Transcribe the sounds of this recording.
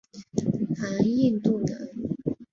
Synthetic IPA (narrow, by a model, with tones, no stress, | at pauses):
ha˧˥ni˥˧nt̪u˥˩nə˧˦